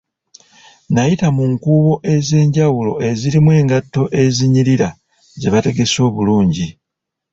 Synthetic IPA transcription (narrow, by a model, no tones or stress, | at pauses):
najitamuŋkuːβo̞ʔe̞ze̞ːɲɟawulo̞̰ʔe̞ziɾimwe̞ːŋɡatːo̞ʔe̞ziɲiɾiɾa | ze̞βate̞ɡe̞so̞ːβuluːɲɟi